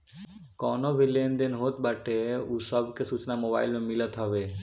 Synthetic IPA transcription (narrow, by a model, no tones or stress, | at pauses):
kɔːnobʱilend̪enɦoːt̪baʈeuːsəbkesut͡ʃnamoba̰ːɪlmẽmɪlət̪ɦɔʋe